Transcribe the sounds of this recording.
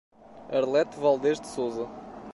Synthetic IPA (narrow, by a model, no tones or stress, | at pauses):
ɐɾlˠɛt̪valˠd̪eʒd̪sozɐ